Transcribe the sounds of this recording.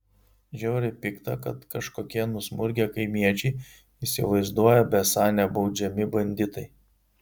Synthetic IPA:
ʒʲoːɾʲɪpʲɪkt̪ɐkɐt̪kɐʃkoːkʲiɛnʊsmʊɾʲɡʲeːkɐɪmʲiɛt͡ʃʲɛɪ | iˑsʲɪ̰ʋɐɪzd̪uɔjɛbʲɛsɑːnʲɛbɒʊd͡ʒʲɛmʲɪbɐnʲd̪ʲɪt̪ɐɪ

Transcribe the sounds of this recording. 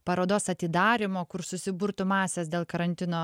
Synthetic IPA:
pɐɾoːd̪oːsɐt̪ʲɪd̪ɑːɾʲɪmoːkʊɾsʊsʲɪbʊɾt̪ʊmɑːsʲɛsd̪ʲeːlˠkɐɾɐnʲt̪ʲɪnoː

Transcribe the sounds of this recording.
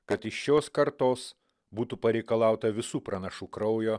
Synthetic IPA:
kɐt̪ɪʃʃʲoːskɐɾt̪oːs | buːt̪upɐɾʲɛɪkɐlˠɑˑʊt̪ɐʋʲɪsuːpɾɐnɐʃuːkɾɐʊjoː

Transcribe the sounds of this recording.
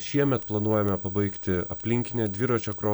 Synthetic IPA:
ʃʲiɛmʲɛt̪plˠɐnuɔjɛmʲɛpɐbɐɪkt̪ʲɪɐ̰pʲlʲɪŋʲkʲɪnʲɛːd̪ʲʋʲɪɾoːt͡ʃʲokɾoː

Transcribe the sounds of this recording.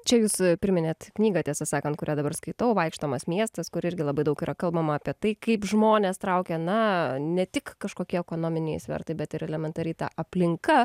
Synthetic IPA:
t͡ʃʲɛjuːspʲɪɾʲɪmʲɪnʲeːt̪knʲiːɡɐt̪ʲiɛsɐsɑːkɐnt̪kʊɾʲæːd̪ɐbɐrɾskɐɪt̪ɐʊʋɐɪkʃt̪oːmɐsmʲiɛst̪ɐskʊɾɪɾʲɡʲɪlˠɐbɐɪd̪ɐʊkiːɾɐkɐlˠbɐmɐɑːpʲiɛt̪ɐɪkɐɪpʒmoːnʲeːst̪ɾɐʊkʲɛːnɐnʲɛt̪ʲɪkːɐʃkoːkʲiɛɛkoːnoːmʲɪnʲɛɪsʲʋʲɛ̰ɾt̪ɐɪbʲɛt̪ɪɾɛlʲɛmʲɛnt̪ɐɾʲɛɪt̪ɑ̰ʔɐpʲlʲɪŋkɐ

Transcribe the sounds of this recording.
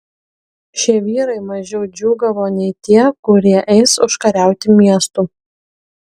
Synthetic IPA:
ʃʲiɛʋʲiːɾɐɪmɐʒʲɛʊd͡ʒʲuːɡɐʋoːnʲɛɪt̪ʲiɛkʊɾʲiɛʔɛɪsʊʃkɐɾʲæˑʊt̪ʲɪmʲiɛst̪uː

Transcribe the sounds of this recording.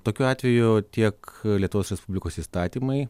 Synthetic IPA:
t̪oːkʲuːɑːt̪ʲʋʲɛjʊt̪ʲiɛklʲiɛt̪ʊʋoːsɾʲɛspʊbʲlʲɪkoːsiːst̪ɑːt̪ʲiːmɐɪ

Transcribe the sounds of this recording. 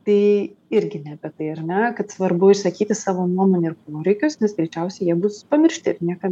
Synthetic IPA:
t̪ɐɪɪɾʲɡʲɪnʲɛbʲɛt̪ɐɪɐrnʲɛkɐt̪sʋɐrbʊɪʃsɐkʲiːt̪ʲɪsɑːʋoːnuɔmoːnʲɛɪrpoːɾʲɛɪkʲʊsnʲɛsɡɾʲɛɪt͡ʃʲɛʊsʲɛɪjiɛbʊspɐmʲɪrʲʃʲt̪ʲɪɾnʲiɛkɐ

